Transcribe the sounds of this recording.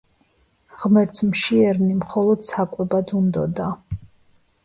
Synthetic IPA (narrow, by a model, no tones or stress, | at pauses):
ʁmɛɾt̪zmʃiɛɾnimχɔlˠɔd̪̥sakʼwɛbad̪und̪ɔ̰d̪a